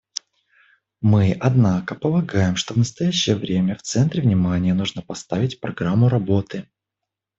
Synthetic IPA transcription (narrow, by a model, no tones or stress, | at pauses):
mɨʔɐd̪nakəpəlˠɐɡajɪmʂt̪o̞vnəst̪ɐjæɕːɪjəvɾʲemʲəft̪sɛnt̪ɾʲɪvnʲɪmanʲɪjənuʐnəpɐst̪avʲɪtʲpɾɐɡɾamːʊɾɐbo̞t̪ɨ